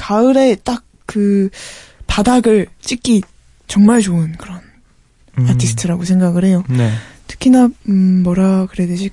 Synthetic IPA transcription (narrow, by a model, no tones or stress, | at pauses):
kaɯɾe̞t͈ak̚kɯ | padaɡɯɭt͡ɕ͈ik͈i | t͡ɕʌŋmaɭt͡ɕoɯnkɯɾʌn | atʰisʰɯ̥tʰɯɾaɡosʰe̞ŋɡaɡɯɾɦe̞jonetʰɯ̥kʰinamːʌɾakɯɾeded͡ʑi